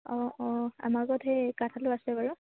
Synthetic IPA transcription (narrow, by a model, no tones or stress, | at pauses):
ɔ̃ɔa̰maɡɔtʰɦɛjkatʰalʊasɛbaɹʊ